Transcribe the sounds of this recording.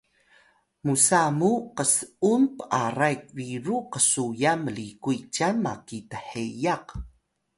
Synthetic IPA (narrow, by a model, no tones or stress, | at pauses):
musamuqəsumpəʔarajk̚viɾuqəsujaməlikuit͡ʃanma̰kitəħejaq